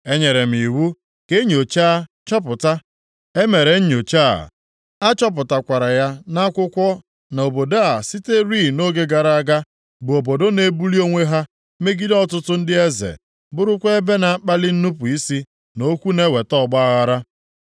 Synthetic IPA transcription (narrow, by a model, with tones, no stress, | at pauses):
e˦ɲe˨ɾe˨m̩˨i˨wu˦ | ke˦ɲ˦o˨t͡ʃa˦ | t͡ʃɔ˦p̬ʊ˨ta˦ | e˦me˨ɾe˨ɲ̩˦ɲ˨o˨t͡ʃa̰˦˨ | a˦t͡ʃɔ˦p̬ʊ˨ta˨kʷa˨ɾa˨ja˦na˦kʷʊ˦kʷɔ˦ | na˨o˨bo˨da˦a˨si˦te˦ɾi˦˨no˦ɡe˦ɡa˨ɾa˨˦˨a˦ɡa˦ | bʊ˨o˨bo˨do˦ne˦bu˦li˦o˦ŋʷe˦ɦa˦ | me˦ɡi˦dɔ˦tʊ˦tʊ˦n̩˦dɪ˦e˦zḛ˨ | bʊ˦ɾʊ˦kʷe˦e˦be˦na˨a˦k͡pa˦lɪ˦n̩˦nu˦pʊ˨i˦si˦ | no˦kʷu˦ne˦we˨tɔ˦˨ɡ͡ba˦a˦ɣa˦ɾa˦